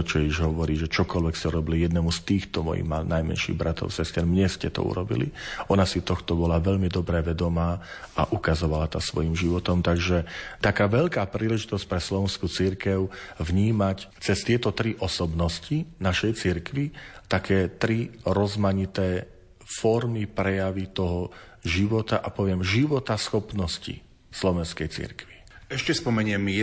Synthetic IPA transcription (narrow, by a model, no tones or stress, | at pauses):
t͡ʃɔjɛiʒɦɔʋɔɾiːʒɛt͡ʃɔkɔlʋɛkscɛuɾɔbilijɛd̪nɛmust̪iːxt̪ɔmɔ̰jḭɣmanajmɛ̰nʃḭːɣbɾat̪ɔ̰ʊsɛscɛɾmɲɛscɛt̪ɔ̰ṵɾɔbḭlḭʔɔnasit̪ɔxt̪ɔbɔlaʋɛʎmid̪ɔbɾɛʋɛd̪ɔmaː | aʔukazɔʋalat̪asʋɔjimʒiʋɔt̪ɔmt̪aɡʒɛt̪akaːʋɛʎkaːpɾiːlɛʒit̪ɔsc̚pɾɛslɔʋɛnskut͡siɾkɛʊvɲiːmact͡sɛst̪ɪɛt̪ɔt̪ɾiʔɔsɔbnɔscinaʃɛjt͡siɾkʋit̪akʰɛːt̪ɾiɾɔzmaɲit̪ɛː | fɔɾmipɾɛjaʋit̪ɔɦɔ | ʒiʋɔt̪aʔapɔʋɪɛmʒiʋɔt̪asxɔpnɔscḭ | slɔʋɛnskɛjt͡sḭɾkʋi | ɛʃcɛspɔmɛɲɪɛm